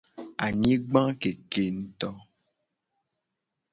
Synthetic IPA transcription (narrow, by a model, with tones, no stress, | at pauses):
a˨ɲĩ˦ɡ͡bã˦ke˨ke˨n̩˨t̪ɔ˦